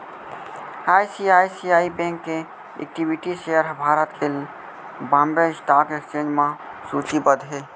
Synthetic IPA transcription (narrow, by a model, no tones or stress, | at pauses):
aːisiaːisiaːibẽŋkːe | ḛk̚ʈibiʈiʃejəɾbʱaːɾət̪kel | bãːmbesʈaːkekst͡ʃẽːd͡ʒmã | suːt͡ʃibəd̪ɦe